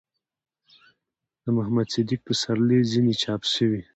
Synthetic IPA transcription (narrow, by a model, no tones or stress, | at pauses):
d̪̥əmʊhamad̪sɪd̪ik̚pəsaɾlezinet͡ʃɑpʃəwi